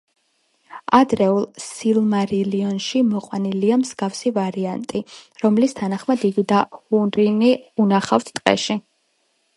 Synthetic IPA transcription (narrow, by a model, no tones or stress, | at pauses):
ad̪ɾɛulˠsilˠmaɾiliɔnʃimɔqʼwaniliamz̥ɡafsivaɾiant̪ʼiɾɔmlist̪ʰanaχmad̪iɡid̪ahunɾiniunaχaft̪ʰt̪ʼqʼɛ̰ʃi